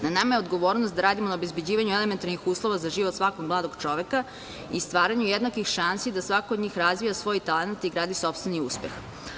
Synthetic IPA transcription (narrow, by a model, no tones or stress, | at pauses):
nanamajeod̪ɡoʋoːɾnost̪d̪aɾaːd̪imonaobezbe̞d͡ʑiːʋaɲuelement̪aɾnixuːslˠoʋazaʒiʋo̞t̪sʋakoɡmlˠaːd̪o̞ɡt͡ʃo̞ʋe̞ka | ist̪ʋaːɾaɲujed̪nakʋixʃansid̪asʋakoːd̪ɲiːxɾazʋijasʋo̞jit̪alenat̪iɡɾaːd̪iso̞pst̪ʋeniuːspḛx